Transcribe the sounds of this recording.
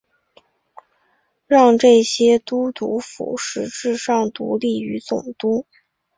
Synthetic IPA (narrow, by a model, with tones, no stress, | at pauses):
ɻɑ˥˧ŋʈ͡ʂɤ˥˩ɕjɛ˥t̪u˥t̪u˧˥fṵ˨˩˦ʂɻ̩˧˥ʈ͡ʂɻ̩˥˧ʂɑ˥˩ŋt̪ṵ˧˥li˥˩y˧˥t͡sʊ˨˩ŋt̪u˥